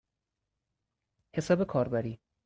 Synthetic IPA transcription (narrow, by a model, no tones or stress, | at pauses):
he̞sɒːbe̞kʰɒːɾbæɾiː